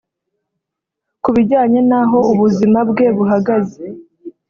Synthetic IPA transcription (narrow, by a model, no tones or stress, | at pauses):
kuβiɟaːɲe̞naɦo̞uβuzimabɡe̞βuɦaɡaze̥